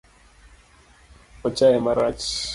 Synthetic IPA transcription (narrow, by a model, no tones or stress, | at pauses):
ɔt͡ʃajɛmaɾat͡ʃ